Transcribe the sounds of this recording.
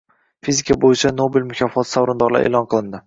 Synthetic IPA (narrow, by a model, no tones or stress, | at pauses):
fizɪkʲʰabojɪt͡ʃʰanobɪlmʊkʲʰɒfɒt̪ʰsawɾʊnd̪ɒɾla̰ɾḛlɒnqʰɨlˠɪnd̪ɪ